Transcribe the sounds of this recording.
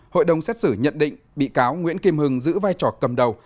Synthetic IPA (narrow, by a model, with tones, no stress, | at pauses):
ho̰˧˨jɗə˨˩wŋ͡msɛ˦˥t̚sɨ˧˩ɲə̰˧˨nɗḭ̈˧˨ŋ̟ɓḭ˧˨kaː˨˦wŋwḭ˧˥ənki˧mhɨ˨˩ŋzɨ̰˧˥vaː˧jt͡ɕɔ˨˩kə˨˩mɗə˨˩w